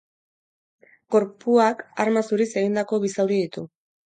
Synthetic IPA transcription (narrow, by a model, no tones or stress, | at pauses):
ko̞ɾpuaka̰ɾmasuɾise̞ɣ̞ind̪ako̞βisawðiðit̪u